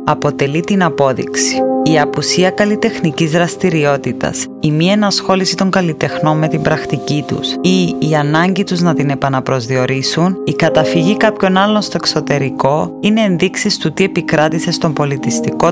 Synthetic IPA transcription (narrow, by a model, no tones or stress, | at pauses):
ɐpo̞t̪e̞lit̪inɐpo̞ðḭksi̥iɐpusiɐkɐlit̪e̞xnicizɾɐst̪iɾio̞t̪it̪ɐ̰s | imienɐsxo̞lisit̪o̞ŋɡɐlit̪e̞xno̞mme̞t̪imbɾɐxt̪icit̪ṵsiːɐnɐɲɟit̪uznɐt̪ine̞pɐnɐpɾo̞zðio̞ɾisunikɐt̪ɐfiʝikɐpço̞nɐlːo̞nst̪o̞ekso̞t̪e̞ɾiko̞ine̞ːnðiksist̪ut̪ie̞pikɾɐt̪ise̞st̪o̞mbo̞lit̪ist̪iko̞